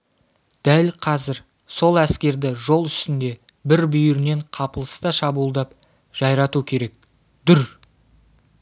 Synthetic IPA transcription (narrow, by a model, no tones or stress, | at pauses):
d̪̥ælqʰɑzɪɾ | so̞lˠæskʲe̞ɾd̪ɪʒo̞lˠʏst̪ɪnd̪e̞ | bɪɾbʏjʏɾne̞ɴqʰɑpəlˠəst̪ɑʃɑbulˠd̪ɑp | ʒ̥ɑjɾɑt̪ukʲʰe̞ɾe̞k̚ | d̪̥ʏɾ